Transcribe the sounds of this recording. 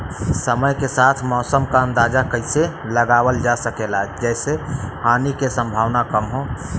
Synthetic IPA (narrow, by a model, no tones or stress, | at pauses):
səməjkesat̪ʰmɔːsəmkaə̃nd̪ad͡ʒakəɪseləɡawəld͡ʒasəkelaɛd͡ʒɛːsehaːnikesə̃mbʱaːʋnakəmɦo